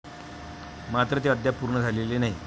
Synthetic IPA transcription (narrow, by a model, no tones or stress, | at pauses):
mat̪ɾət̪̬eəd̪japuɾɳəd͡zʱalelenaɦi